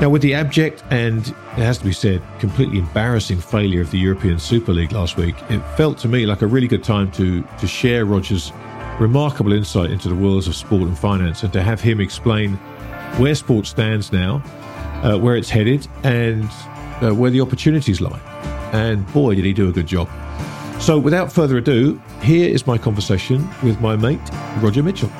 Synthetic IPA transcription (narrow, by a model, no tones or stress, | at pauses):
naʊwɨðiæb̚d͡ʒɛk̚tɨ̃n | ɪt̚hɨz̥tʰəbisɛd̚kʰm̩pʰl̥ḭʔlʔiɨ̃mbæɹɨsɪ̃ŋfeɪlˠjə˞ʌvðɨjʊɹəpʰĩɨ̃nsʉpə˞liɡlæst̚wḭkʰɪtfɛlˠtʰəmilaɪkəɹɪlˠiɡʊd̚tʰãɪ̃mtʰɨtʰɨʃɛɹɹɑd͡ʒə˞z | ɹɨmɑɹkəbl̩ˠɪ̃nsaɪɾɪ̰̃ntʰʉðəwɜ˞lˠdzʌv̥spɔɹɾn̩fãɪ̃næ̃nsɨ̃ntɨːv̥ɪ̃mɨksplẽɪ̃n | wə˞spɔɹtstæ̃ndznaʊ | ʔʌwə˞ɨtshɛɾɪd | ɨ̃n | ʌwə˞ðiɑpə˞tʰʉnɨɾizla̰ɪk | ɨ̃nbɔɪɾɨɾ̚idɨːɡʊd̚d͡ʒɑ̰b̥soʊwɨðaʊtfɜ˞ðə˞ɨdʉ | ɦɪɹɪ̰zmaɪkʰɑ̃ɱvə˞seɪʃɨ̃nwɪðmaɪmeɪʔɹɑd͡ʒə˞mɪt͡ʃl̩ˠ